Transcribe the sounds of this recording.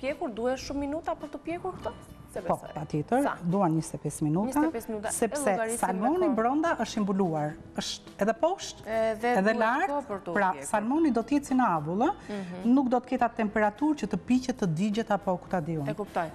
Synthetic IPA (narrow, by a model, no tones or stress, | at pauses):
pjɛkuɾd̪uhɛʃumːinut̪apəɾt̪əpjɛkuɾkt̪ɔ | pɔpat̪jɛt̪əɾd̪uanɲəst̪ɛpɛsminut̪asɛpsɛsalmɔnibɾɔnd̪aʔəʃt̪imbuluaɾ | əʃt̪ɛðɛpɔʃt̪ɛðɛlaɾtɾpɾasalmɔnid̪ɔt̪əjɛt͡sinəavulˠənukd̪ɔt̪ə̥kɛt̪at̪ːɛmpɛɾat̪uɾcət̪əpicɛt̪ːəd̪id͡ʑɛt̪apɔkut̪ad̪iɔnkupt̪ɔj